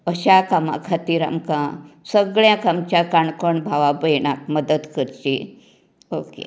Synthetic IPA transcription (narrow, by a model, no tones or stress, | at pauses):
əɕakamã̰kʰat̪iːɾa̰mkãsəɡɭjãkamt͡ɕakaɳkəɳbʱaʋabəjɳakməd̪ət̪kəɾt͡ɕi | okḛ